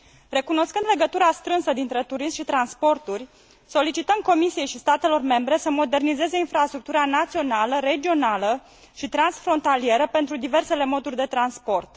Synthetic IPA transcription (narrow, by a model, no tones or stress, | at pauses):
re̞kuno̞skɨnd̪le̞ɡət̪uɾast̪ɾɨnsəd̪int̪ɾe̞t̪uɾismʃit̪ɾanspo̞rt̪urʲ | so̞lit͡ʃit̪əmko̞misije̞jʃist̪at̪e̞lo̞rme̞mbɾe̞səmo̞d̪e̞rnize̞ze̞infɾast̪ɾuk̚t̪uɾanat̪sio̞naləɾe̞d͡ʒio̞nalə | ʃit̪ɾansfɾo̞nt̪alie̞ɾəpe̞nt̪ɾud̪ive̞rse̞le̞mo̞d̪urʲd̪e̞t̪ɾanspo̞rt̪